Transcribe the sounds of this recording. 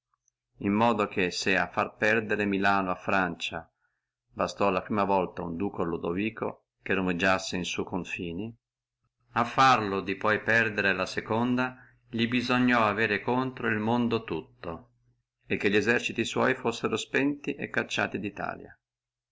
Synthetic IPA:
imːɔːd̪ok̟esea̰fːarpɛrd̪eɾemilaːnoafːɾant͡ʃa | bast̪ɔlapɾiːmavɔlt̪aṵnd̪uːkolod̪oviːko̰ | kerumed͡ʒːasːeinsujkoɱfiːni | afːarlod̪ipɔjpɛrd̪eɾelasekond̪a | ʎibizoɲːɔaveːɾekont̪ɾoilmond̪ot̪ut̪ːo | ek̟ːeʎːiɛzɛrt͡ʃit̪iswɔ̰jfosːeɾospɛnt̪iʔɛkːat͡ʃːa̰ːt̪id̪it̪a̰ːlja̰

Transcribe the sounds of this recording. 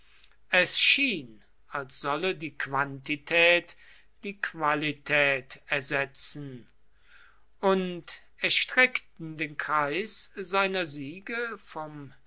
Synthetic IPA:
ʔɛsʃiːn | alsz̥ɔlədiːkv̥antitʰɛːt | d̥iːkv̥alitʰɛːtɛɐzɛt͡sn̩ | ʔʊnt | ɛɐʃtʁ̥ɛktn̩deːnkʁ̥aɪszaɪnɐziːɡəfɔm

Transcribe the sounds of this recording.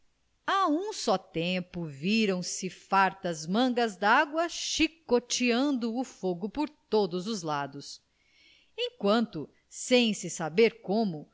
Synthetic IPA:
aũsɔt̪ẽpʊviɾɐ̃w̃sɪfaɾt̪ɐzmɐ̃ɡɐzd̪aɡwɐʃikot͡ʃiɐ̃nd̪ʊːfoɡʊpoɾt̪od̪ʊzʊzlad̪ʊs | ẽj̃kwɐ̃nt̪ʊ | sẽj̃sɪsabeɾkõmʊ

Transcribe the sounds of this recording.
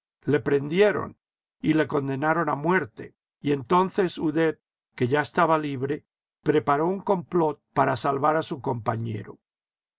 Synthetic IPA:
le̞pɾe̞nd̪je̞ɾo̞̰n | ile̞ko̞nd̪e̞naɾo̞namwe̞ɾt̪e̞̰ | ie̞nt̪o̞nθe̞suðe̞t̚ | ke̞ʝaest̪aβaliβɾe̞ | pɾe̞paɾo̞uŋko̞mplo̞t̪̚paɾasalβaɾasuko̞mpaɲe̞̰ɾo

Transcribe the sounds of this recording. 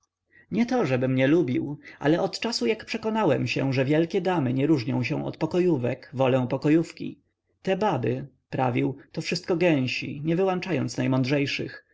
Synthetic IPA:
ɲɛt̪ɔʐɛbɘmɲɛlubʲiwʔa̰lɛʔɔt̪t͡ʂasujakpʂɛkɔnawɛmɕɛ̰ʐɛvʲjɛlkʲɛd̪amɘɲɛɾuʐɲɔ̰̃w̃ɕɛ̰̃w̃ɔ̰t̪pɔkɔjuvɛkvɔlɛ̃pɔkɔjufkʲḭ | t̪ɛbabɘ | pɾa̰vʲiwt̪ɔfʂɘst̪̚kɔɡɛ̃w̃ɕḭɲɛvɘwant͡ʂajɔnt̪snajmɔnd̪ʐɛjʂɘx

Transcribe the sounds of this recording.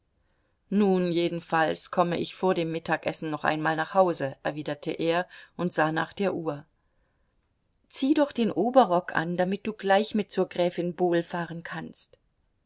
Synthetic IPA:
nuːnjeːdn̩falskʰɔməʔɪçfoːɐɾdeːmːɪtʰaːkʔɛsn̩nɔχʔa̰ɪnmaːlnaːχhaʊzəʔɛɐviːdɐtʰəʔeːɐʔʊntz̥aːna̰ːχd̥eːɐʔuːɐ | t͡siːdɔχd̥eːnʔoːbɐʁɔkʰʔa̰nd̥amɪt̚d̥uːɡlaɪçmɪt̚t͡suːɐɡʁɛːfɪnboːlfaːʁənkʰanst

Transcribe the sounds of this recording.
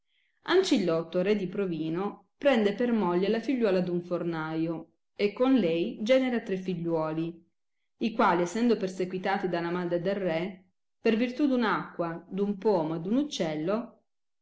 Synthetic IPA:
ant͡ʃilːɔt̪ːoɾɛd̪ipɾoviːno | pɾɛnd̪epermɔʎːelafiʎːwɔːlad̪uɱfornaːjo | ekːonlɛjd͡ʒɛːneɾat̪ɾefːiʎːwɔːli | ikwaːliesːɛnd̪opersekwit̪aːt̪id̪alamad̪ɾed̪elrːɛ | pervirt̪ud̪unakːwad̪umpɔːmoed̪unut͡ʃːɛlːo

